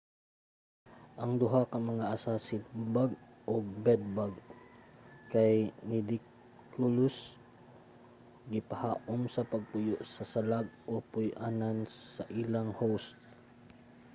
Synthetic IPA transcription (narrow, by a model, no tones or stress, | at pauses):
ʔɐŋd̪ʊɦakɐmɐŋaʔasasɪt̪̚baɡ | ʔoɡ̚bɛd̪̚baɡ | kajnɪd̪ɪk | kʊlʊs | ɡɪpahaːʔʊmsɐpɐɡ̚pʊjʊʔsɐsalaɡ̚ʔopʊjʔaːnanssɐʔilaŋhowst̪̚